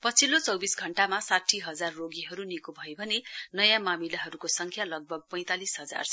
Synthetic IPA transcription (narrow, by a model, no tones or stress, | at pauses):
pʌt͡sʰilot͡sʌwbisɡʱʌɳʈamasaʈʰːiɦʌd͡zarːoɡiɦʌɾunikobʱʌjobʱʌnenʌjãmamilaɦʌɾukosʌŋkʰjalʌɡ̚bʱʌɡ̚pʌj̃t̪alisɦʌd͡za̰rs